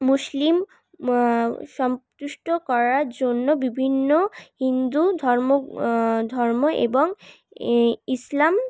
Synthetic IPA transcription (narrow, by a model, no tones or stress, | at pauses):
muslim | ʃɔmt̪uʃʈokɔɾaɾd͡ʑonːobibʱinːohind̪ud̪ʱɔɾmod̪ʱɔɾmoʔḛboŋ | islam